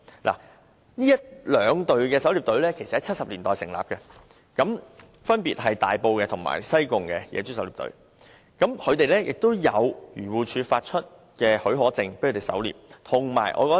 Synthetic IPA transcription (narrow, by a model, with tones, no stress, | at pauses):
lʔa̰ː˨˩ | niː˥jɐ˥t̚lœː˨˧ŋt̪ɵ˨ɥkɛː˧sɐ˨˥wliː˨p̚t̪ɵ˨˧˥ɥlɛː˥kʰe˨˩jsɐ˨t̚hɐ˨˦jt͡sʰɐ˥t̚sɐ˨p̚liː˨˩nt̪ɔː˨jsɪ˨˩ŋla̰ː˨p̚kɛ˧ | kɐ˨˧˥m | fɐ˥npiː˨t̚ɦɐ˨jt̪a̰ː˨jpo˧wkɛː˧t̪ʰʊ˨˩ŋma̰ː˨˩jsɐ˥jkʊ˨ŋkɛː˧jɛ̰ː˨˧t͡ɕy˥sɐ˧˥wliː˨p̚t̪ɵ̰˨˥ɥ | kɐ˨˥mkʰɵ˨˧ɥt̪e˨jlɛː˥jɪ˨k̚t̪o˥wjɐ˨˧wjyː˨˩wuː˨˩t͡ʃʰyː˨˧faː˧t̚t͡ʃʰɵ˥t̚ | kɛː˧hɵ˨˥ɥɦɔː˨˥t͡sɪ˧ŋpkʰːt̪e˨˩sɐ̰˨˥wlḭː˨p̚t̪ʰʊ˨˩ŋma̰ː˨˩jʔɔ̰ː˧kɔː˧˥